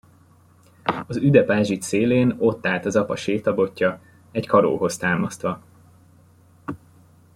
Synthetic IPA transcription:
ɒzyd̪ɛpaːʒit̪seːleːno̞t̪ːaːlt̪ɒzɒpɒʃeːt̪ɒbo̞cːɒ | ɛckʰɒɾo̰ːɦo̞st̪aːmɒst̪ʋɒ

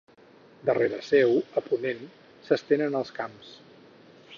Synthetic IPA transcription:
d̪əreɾəsɛwəpunen | səst̪enənəlˠskams

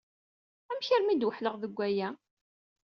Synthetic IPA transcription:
æmçəɾmid̪wəħləʁðəɡʷːæjæ

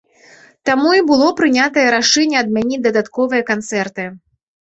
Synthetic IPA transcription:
t̪amuibɨlˠɔpɾɨnʲat̪ɐjɐɾaʂɛnʲːɛɐd̪̚mʲanʲid̪ɐd̪at̪kɔvɨjɐkant̪sɛrt̪ɨ

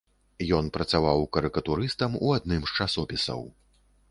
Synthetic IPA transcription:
jɔnpɾɐt̪savawkɐɾɨkɐt̪uɾɨst̪ɐmuad̪nɨmst͡ʂasɔpʲisɐ̰w

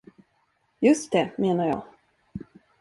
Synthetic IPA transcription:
jɵst̪̚d̪ɛmeːnaɾjɑ̰ː

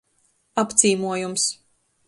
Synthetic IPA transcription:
apt̪siːmuɔjums

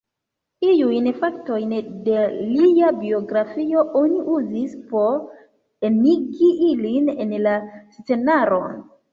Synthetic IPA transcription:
ijujnfak̚to̞jnde̞liabio̞ɡɾafio̞ʔoniʔuzispo̞ɾ | eniɡiʔiline̞nlast͡se̞naɾo̞̰n

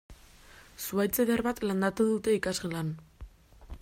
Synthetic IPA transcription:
suajt͡seðerβat̪land̪at̪uðut̪e̞ikazɣelan

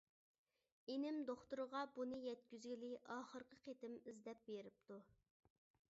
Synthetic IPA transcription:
enɪmd̪oχt̪uɾəʁɑbunɨjɛt̪̚kʲyzɡʲilɪʔɑːχəɾqʰəqʰet̪ɪmizd̪ɛp̚beɾɪp̚t̪u

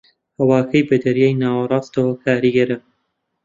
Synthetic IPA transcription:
hɐwaːkʰɐjbɐd̪ɐɾjaːjnaːwɐɾˤɑːst̪ɐwɐkʰaːɾiɡɐɾɐ

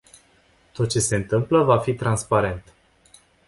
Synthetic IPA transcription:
t̪o̞t̪̚t͡ʃe̞se̞ɨnt̪ɨmpləvafit̪ɾanspaɾe̞nt̪

